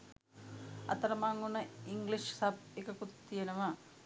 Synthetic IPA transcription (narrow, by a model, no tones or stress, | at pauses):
ɐ̰t̪ːɐɾɐmaŋːunːɐiŋɡliʂsɐbikːɐkut̪ːijɐnɐma